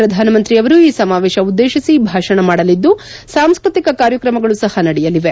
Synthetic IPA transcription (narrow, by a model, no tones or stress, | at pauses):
ɾɐd̪ʱaːnɐmɐnt̪ɾiɐʋɐɾuiːsɐmaːʋeːʃɐud̪ːeːʃisibʱaːʂɐɳɐmaːɽɐlid̪ːu | saːmskɾut̪ikɐkaːɾjɐkɾɐmɐɡɐɭusɐhɐnɐɽɛjɐliʋe